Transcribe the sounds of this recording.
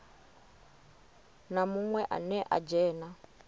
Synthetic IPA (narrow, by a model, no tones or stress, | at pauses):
namuŋwɛʔa̰nɛʔa̰d͡ʒɛːna